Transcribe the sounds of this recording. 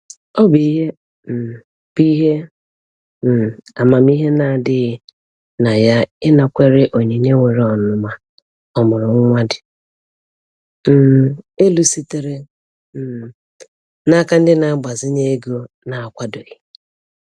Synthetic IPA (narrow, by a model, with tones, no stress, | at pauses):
ɔ˦bi˨i˦ɦe˦ | m̩˨ | b̥i˦ɦe˦ | m̩˨a˨ma˨m˦i˦ɦe˦na˨dɪ˦ɣɪ˦ | na˨ja˦ɪ˦na˨kʷe˦ɾe˦ʔo˨ɲe˨ɲe˦ŋʷe˨ɾe˨˦ɔ˨nʊ˦ma˨ | ɔ˨mʊ˨ɾʊ˨ŋ̩˦ŋʷa˦dɪ˨ | m̩˦˨e˦lu˨si˦te˨ɾe˦ | m̩˨ | na˦ka˦n̩˦dɪ˦na˨a˦ɡ͡ba˨zɪ˦ɲe˦ɡo˦ | na˨a˨kʷa˦do˨ɣɪ˨